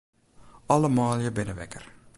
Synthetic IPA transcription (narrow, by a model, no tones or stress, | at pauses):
ɑləmaːlˠjəbɪnəʋɛ̰kər